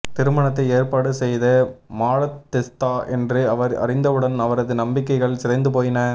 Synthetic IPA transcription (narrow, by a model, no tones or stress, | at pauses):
t̪ɪɾɯmɐɳɐt̪ːɐɪeːɾpaːɽɯsɛjðɐmaːɻɐt̪ːɪst̪aːʔɛndrɯɐʋɐɾɐ̰rɪnd̪ɐɯɽɐnɐʋɐɾɐðɯnɐmbɪkːɐɪɣɐɭsɪɾɐɪnd̪ɯp̬oːjɪnɐ